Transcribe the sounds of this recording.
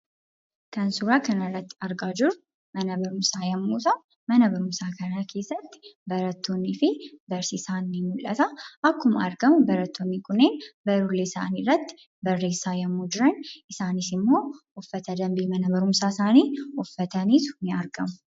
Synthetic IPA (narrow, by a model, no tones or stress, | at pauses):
kɐnsuɾaːkɐnɐrːɐt̪ːɪɐɾɡaːd͡ʒɪɾʊ | mɐnɐbɐɾʊmsaːjɐmːuːt̪ɐ | mɐnɐbɐɾʊmsaːkɐnɐkʰe̞ːsːɐt̪ːɪ̥bɐɾɐt̪ːonːɪfɪbɐɾsisaːnːɪmʊlʔɐt̪ɐʔɐkːʊmɐ̰ɾɡɐmʊbɐɾɐt̪ʰːoːnːikʊnːeːnbɐɾʊlːeːsa̰ːniːrːɐt̪ːɪ̥ | bɐrːe̞ːsːaːjɐmːuːd͡ʒɪɾɐnʔɪsaːnɪsɪmːoːʊfːɐt̪ɐd̪ɐmbiːmɐnɐbɐɾʊmsaːsaːniːʊfːɐt̪ɐniːsʊnɪɐɾɡɐmʊ